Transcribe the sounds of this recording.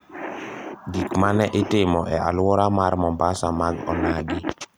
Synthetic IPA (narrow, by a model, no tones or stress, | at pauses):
ɡikmanɛʔɪtɪmɔʔɛa̰lwɔɾamarmɔmbasamaɡɔ̰naɡɪ